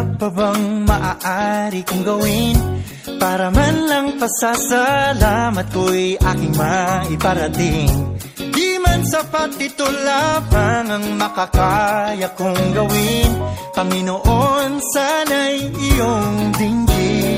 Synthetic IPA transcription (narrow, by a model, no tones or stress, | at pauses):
ababaŋmɐʔaʔaɾikʊŋɡɐwɪn | paːɾɐmanlɐŋpɐsasɐlamɐt̪̚kojʔa̰ːkɪŋmaʔɪpɐɾɐt̪ɪŋ | d̪imansɐpat̪ːɪt̪ʊlapaŋɐŋmɐkɐkajɐkʊŋɡɐwɪnpɐŋɪnoʔonsanajɪjoŋd̪ɪŋɡi